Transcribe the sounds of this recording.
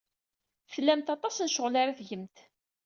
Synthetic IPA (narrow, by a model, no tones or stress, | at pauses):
slːæmt̪ɑt̪ˤɑsnʃʊʁlaɾaθʝəmt̪